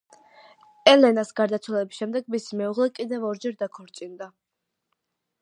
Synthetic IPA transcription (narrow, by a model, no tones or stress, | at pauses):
ɛlɛnasɡaɾd̪at̪sʰwɛlɛbisʃɛmd̪ɛɡ̚misimɛuʁlɛkʼid̪ɛvɔɾd͡ʒɛɾd̪akʰɔɾt͡ʃʼind̪a